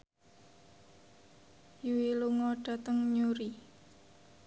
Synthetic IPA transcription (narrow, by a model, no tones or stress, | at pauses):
juwiluŋɔɖ̥a̤t̪əŋɲuɾi